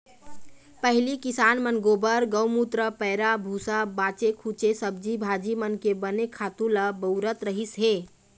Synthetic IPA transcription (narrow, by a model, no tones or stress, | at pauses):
pəɦlikisanmənɡobəɾɡəwmut̪ɾəpəɪɾabʱusabat͡ʃekʰut͡ʃesəb̚d͡ʒibʱad͡ʒimənkebənekʰat̪ũləbəʊɾət̪ɾəɦisɦe